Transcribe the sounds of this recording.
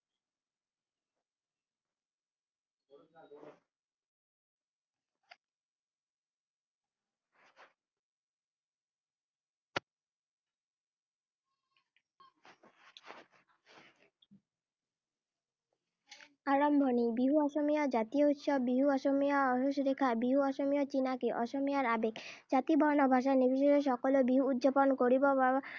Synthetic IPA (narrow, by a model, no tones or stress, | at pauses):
aɾɔmbʱonibiɦuɔʃomijɔd͡ʑat̪ijout̪ʃɔbːɾiɦuɔʃomijaɔɦoʃɾekʰabiɦuɔʃomijɔt͡ɕinakiʔɔʃomijaɾabekd͡ʑat̪ibʱɔnɔbʱaʃ̬anibʱiʃ̬ɔɾeʃ̬ɔkolobiɦuud̪d͡ʑaponkoɾibɔba